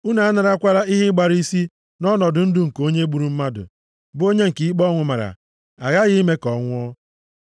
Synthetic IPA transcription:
u˦na˨a˦na˨ɾa˦kʷa˦ɾa˦ɪ˦ɦɪ˦ɡ͡ba˨ɾi˦si˦ | nɔ˦nɔ˨dʊ˨n̩˦dʊ˦˨ŋ̩˨ko˦ɲe˦ɡ͡bu˨ɾu˨m̩˦ma˦dʊ̰˨ | bʊ˦o˦ɲe˦ŋ̩˨ki˨˦i˦k͡pɔ˦ŋʷʊ˨ma˨ɾa̰˨ | a˨ɣa˦ɣɪ˦i˦me˦kɔ˨ŋʷʊ˦ɔ˦

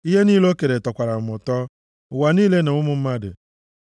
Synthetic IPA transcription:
i˦ɦe˦niː˦lo˦ke˨ɾe˨tɔ˨kʷa˨ɾa˨m̩˨mʊ˨tɔ˦ | ʊ˨wa˨niː˦le˦ne˨ŋʊ˦mʊ˨m̩˦ma˦dɪ̰˨

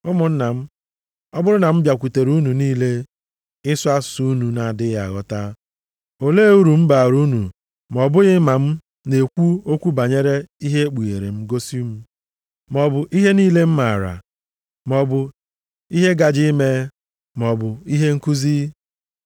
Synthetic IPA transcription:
ʊ˦mʊ˨n̩˦na˨m̩˦ | ɔ˦bʊ˦ɾʊ˦na˨m̩˦bja˨kʷu˨te˨ɾu˦nu˨niː˦le˦ | ɪ˦sʊ˦a˦su˦nu˨na˨a˨dɪ˦ja˨ɣɔ˦ta˦ | o˨le˦u˦ɾu˨m̩˦ba˨ɾu˦nu˨ | m˨ɔ˨bʊ˦ɣɪ˦ma˨m̩˦ | ne˨kʷu˦o˦kʷu˦ba˨ɲe˦ɾe˦i˦ɦe˦k͡pu˨ɣḛ˨ɾe˨m̩˦ɡo˦si˦u˦mu˨ | m˨ɔ˨bʊ˨ʔi˦ɦe˦niː˦le˦m̩˦ma˨ɾa̰˨ | m˨ɔ˨bʊ˨ | i˦ɦe˦ɡa˨d͡ʒi˦me˦ | m˨ɔ˨bʊ˨i˦ɦe˦ŋ̩˦ku˦zi˦

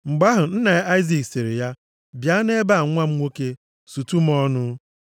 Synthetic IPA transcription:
ŋ͡m̩˨ɡ͡ba˦ɦʊ˨n̩˦na˨˦a˦ɪ˦zi˨ksi˨ɾɪ˨ja˦ | bja˦ne˦ba˦˨ŋʷa˦m̩˦ŋʷo˦ke˦ | su˨tu˦m̩˦ɔ˦nʊ˦

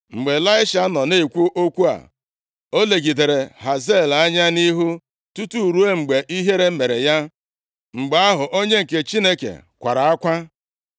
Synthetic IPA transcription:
ŋ͡m̩˨ɡ͡be˨la˦ɪ˦ʃa˨˦nɔ˨ne˦˨kʷu˦ʔo˦kʷu˦a̰˨ | o˦le˨ɡi˨de˨ɾe˨ɦa˨ze˦˨la˦ɲa˦ni˦ɦu˦ | tu˦tu˦˨ɾu˦e˦ŋ͡m̩˨ɡ͡be˨ʔi˦ɦe˦ɾe˦me˨ɾe˨ja˦ | ŋ͡m̩˨ɡ͡ba˦ɦʊ˨ʔo˦ɲe˦ŋ̩˨ke˨t͡ʃi˦ne˦kḛ˨kʷa˨ɾa˨a˦kʷa˦

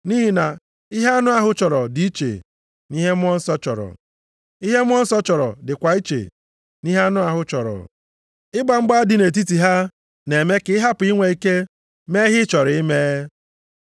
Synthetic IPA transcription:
niː˦ɦi˦na˨ | i˦ɦe˦a˦nʊ˦a˨ɦʊ˦t͡ʃɔ˨ɾɔ˨di˦i˦t͡ʃḛ˨ | ni˦ɦe˦m˦ɔ˦n̩˦sɔ˦t͡ʃɔ˨ɾɔ̰˨ | i˦ɦe˦m˦ɔ˦n̩˦sɔ˦t͡ʃɔ˨ɾɔ̰˨dɪ˨kʷa˨i˦t͡ʃḛ˨ | ni˦ɦe˦a˦nʊ˦a˨ɦʊ˦t͡ʃɔ˨ɾɔ̰˨ | ɪ˦ɡ͡ba˨ŋ͡m̩˦ɡ͡ba˦dɪ˨ne˨t̬i˦ti˨ɦa˦ | ne˨me˦kɪ˦ɪ˦ɦa˦pʊ˨i˦ŋʷe˨i˦ke˦ | me˦ɦɪ˦t͡ʃɔ˨ɾɪ˦me˦

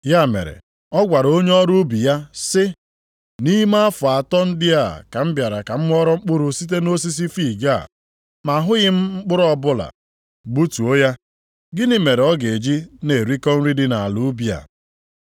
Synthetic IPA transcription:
ja˦˨mḛ˨ɾḛ˨ | ɔ˦ɡʷa˨ɾo˦ɲe˦ɔ˦ɾu˦bi˨ja˦sɪ˦ | ni˦ma˦fʊ˨a˨tɔ˦n̩˦dɪ˦a˦˨ka˨m̩˦bja˨ɾa˨ka˨m̩˦m˦ɔ˦ɾɔ˦ŋ͡m̩˦k͡pʊ˦ɾʊ˦si˦t̬e˦no˦s̬i˦s̬i˦fi˦˨ɡa˦˨ | ma˨ɦʊ˦ɣɪ˦m̩˦ŋ͡m̩˦k͡pʊ˦ɾɔ˦bʊ˦la̰˨ | ɡ͡bu˦tu˨o˦ja˦ | ɡɪ˦nɪ˦me˨ɾe˨ɔ˦ɡe˨d͡ʒi˦ne˨ɾi˦kɔ˦n̩˦ɾi˦dɪ˦na˨a˨lu˦bi˦a̰˨

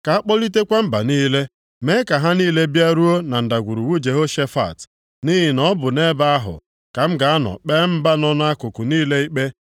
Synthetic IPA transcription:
ka˨a˦k͡pɔ˦li˦te˦kʷa˦m̩˦ba̰˨niː˦le˦ | me˦ka˨ɦa˦niː˦le˦bja˦ɾu˦o˦na˨n̩˨da˨ɡʷu˨ɾu˨wu˦d͡ʒe˨ɦo˦ʃe˦fa̰˨t | ni˦ɦɪ˨nɔ˦bʊ˨ne˦ba˦a˦ɦʊ̰˨ | ka˨m̩˦ɡa˨a˦nɔ̰˨k͡pɛ˦m̩˦ba˦nɔ˦n˦a˦kʊ˨kʊ˨niː˦le˦i˦k͡pe˦

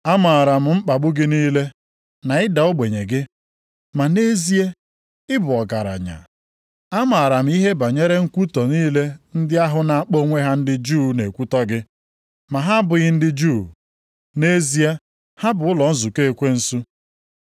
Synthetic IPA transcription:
a˦ma˨a˨ɾa˨m̩˨ŋ͡m̩˦k͡pa˨ɡ͡bʊ˦ɡɪ˦niː˦le˦ | na˨ɪ˦da˨ʊ˦ɡ͡be˨ɲe˨ɡɪ˦ | ma˨ne˦zi˦e˦ | ɪ˦bʊ˨ɔ˨ɡa˨ɾa̰˨ɲa̰˨ | a˦ma˨a˨ɾa˨m̩˦i˦ɦe˦ba˨ɲe˦ɾe˦ŋ̩˦kʷu˦tɔ˨niː˦le˦n̩˦dɪ˦a˦ɦʊ˦na˨k͡po˦ŋʷe˦ɦa˦n̩˦dɪ˦d͡ʒuː˦ne˨kʷu˦tɔ˦ɡɪ˦ | ma˨ɦa˦bʊ˨ɣɪ˦n̩˦dɪ˦d͡ʒu˦˨ | ne˦zi˦e˦ | ha˦bʊ˨ʊ˦lɔ˨n̩˦zu˨ke˦˨kʷe˦n̩˦su˦

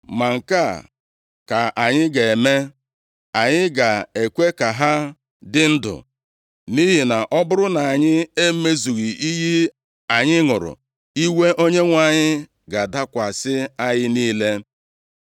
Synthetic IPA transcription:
ma˨ŋ̩˨ka˦˨ | ka˨ʔa˨ɲɪ˦ɡe˨e˨me˦ | a˨ɲɪ˦ɡa˨e˨kʷe˦ka˨ɦa˦ | dɪ˦n̩˦dʊ̰˨ | ni˦ɦi˨na˨ʔɔ˦bʊ˦ɾʊ˦na˨a˨ɲɪ˦e˦me˦zu˨ɣi˨i˦ɦi˦ | a˨ɲɪ˦ŋʊ˨ɾʊ̰˨ | i˦we˦ʔo˦ɲe˦ŋʷa˨ɲɪ˦ | ɡa˨da˦kʷa˨sɪ˦a˦jɪ˦niː˦le˦

